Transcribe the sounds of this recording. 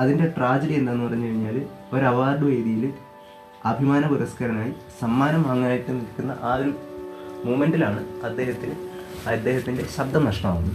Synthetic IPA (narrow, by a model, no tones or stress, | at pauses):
ɐðinde̞ʈraːd͡ʑeɽie̞nd̪anːupɐrɐɲːukɐɻiɲːaːl | o̞ɾɐʋaːrɖɨʋe̞ːjðijil | ɐbʱimaːnɐpuɾɐskɐɾɐnaːjisɐmːaːnɐmɐŋːaːjɐʈːɨnːilkːunːɐ̰ʔaːðil | muːmenɖilaːɳɨɐd̪ːe̞ːhɐt̪ːil | ɐd̪ːe̞ːhɐt̪ːinde̞ɕɐb̚d̪ʱɐmnɐʂɳɐma̰ːuuːɨ